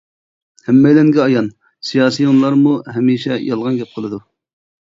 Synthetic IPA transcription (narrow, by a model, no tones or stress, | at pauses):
hæmːɛjlɛŋɡʲɛɑjɑn | sijɑːsijonlˠɑɾmuɦɛmiːʃɛjɑlˠʁɑnɡʲɛp̚qʰəlˠɨd̪u